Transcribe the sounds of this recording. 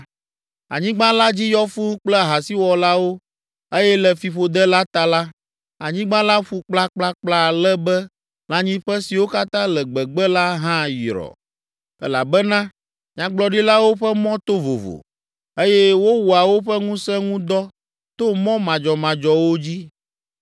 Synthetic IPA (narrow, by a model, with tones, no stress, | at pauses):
a̰˨ɲĩ˦ɡ͡bã˦la˦d͡ʑi˦jɔ˦fu˦k͡plɛ˦˨ɦa˨si˦wɔ˨la˦wo˦ | e˦jɛ˦lɛ˨fi˨ɸo˨d̪ɛ˦la˦t̪a˨la˦ | a˨ɲĩ˦ɡ͡bã˦la˦ɸu˦k͡pla˦k͡pla˦k͡pla˦˨lɛ˦bɛ˦ | lã˨ɲĩ˦ɸɛ˦si˨wo˦ka˦t̪ã˦lɛ˨ɡ͡bɛ˨ɡ͡bɛ˦la˦ɦã˦jḭ˨ɾɔ̰˨ | ɛ̰˦la̰˨bɛ˦nã˦ | ɲ̃˦ã˦ɡ͡blɔ˨ɖi˦la˦wo˦ɸɛ˦mɔ̃˦t̪o˦vo̰˨vo̰˨ | e˦jɛ˦wo˦wu˨a˨wo˦ɸɛ˦ŋũ˦sɛ̃˦ŋũ˦d̪ɔ˦ | t̪o˦mɔ̃˦mã˨d͡ʒɔ˨mã˨d͡ʒɔ˨wo˦d͡ʑi˦